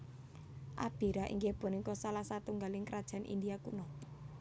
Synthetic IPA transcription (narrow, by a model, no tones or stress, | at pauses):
ʔa̰b̥i̤ɾaʔḭŋɡeb̥ɔ̤niŋkɔsalahsat̪uŋɡalɪŋkəɾad̥ʒ̥a̤nʔḭnd̪iakṵnɔ